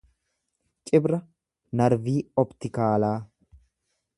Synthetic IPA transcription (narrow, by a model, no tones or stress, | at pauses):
t͡ʃʼɪbɾɐ | nɐɾviːɔbt̪ɪkaːlaː